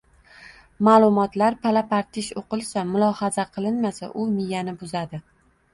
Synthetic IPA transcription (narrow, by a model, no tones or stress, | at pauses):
maːlˠʊmɒt̪laɾpʰalapaɾt̪ʰɪʃoqɨlˠsamʊlˠɒhazaqʰɨlˠɪnmasa̰ʔʊmɪjanɪbʊzad̪ɪ